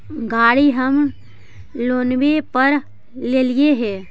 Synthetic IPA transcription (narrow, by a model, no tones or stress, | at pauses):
ɡaːɽiɦəm | loːnbepəɾ | leːlieɦɛː